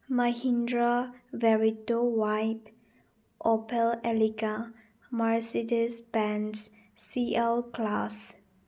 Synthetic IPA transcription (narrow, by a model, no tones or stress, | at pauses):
mahĩndɹavɛɹitowajp | ʔɔpɛlɛliɡa | maɹsidəsbɛ̃ns | siɛlklas